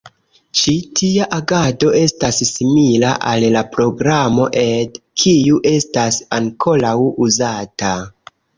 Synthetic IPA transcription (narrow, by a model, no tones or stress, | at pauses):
t͡ʃitʰiaʔaɡado̞e̞stasːimila̰ʔalːapɾo̞ɡɾamo̞ʔe̞dkʰijuʔe̞stasaŋkʰo̞lawuzata